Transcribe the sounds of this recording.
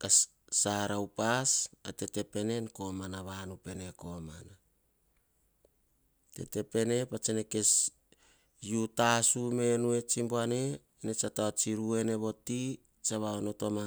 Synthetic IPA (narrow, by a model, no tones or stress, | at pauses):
ka | saɾawpasate̞te̞pe̞ne̞nko̞manaβanupe̞ne̞ko̞mana | te̞̰te̞pe̞ne̞pat͡ʃeneke̞s | jutasume̞nue̞t͡ʃimboaneː | net͡ʃataot͡ʃiɾue̞ne̞βo̞ti | t͡ʃaβaono̞to̞ma